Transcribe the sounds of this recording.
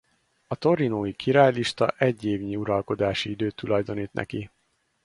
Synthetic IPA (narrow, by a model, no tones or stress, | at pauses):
ɒt̪o̞ɾinoːjikʰiɾaːjliʃt̪ɒ̰ʔɛɟːeːvɲiuɾɒlko̞d̪aːʃiid̪øːt̪ːulɒjd̪o̞niːt̪nɛ̰ki